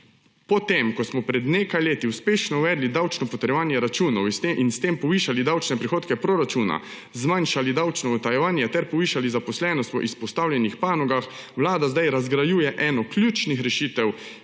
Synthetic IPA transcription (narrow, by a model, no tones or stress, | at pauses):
pɔt̪emkɔsmɔpɾɛd̪neːkajleːt̪iuspeːʃnɔuʋɛːd̪lid̪awt͡ʃnɔpɔt̪ɛɾjɛʋaːnjɛɾat͡ʃuːnɔwst̪eʔinst̪empɔʋiːʃalid̪awt͡ʃnɛpɾixoːt̪kɛpɾoɾat͡ʃuna̰ | zmanʃalid̪awt͡ʃnɔɔt̪ajɛʋaːnjɛt̪ɛɾpɔʋiːʃalizapɔslɛːnɔst̪ɔʔispɔst̪aːwljɛnixpaːnɔɡax | ʋlaːd̪azd̪ajɾazɡɾajuːjɛʔɛːnɔklʲjuːt͡ʃnixɾɛʃiːt̪ɛw